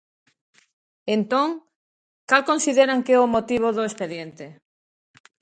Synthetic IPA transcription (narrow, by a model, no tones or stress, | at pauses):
ent̪oŋ | kalkonsiðeɾaŋkeomot̪iβ̞oðʊespeðjent̪e